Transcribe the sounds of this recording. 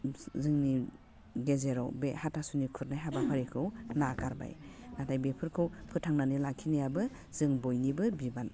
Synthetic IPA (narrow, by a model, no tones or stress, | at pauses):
zɯŋni | ɡezeɾɔ̰wbehatʰasunikʰuɾnajɦabapʰaɾikʰɯwnakaɾba̰jnatʰajbepʰɯɾkʰɯwpʰɯtʰaŋnanɯlakʰinajabɯ | zɯŋbɔjnibɯbiban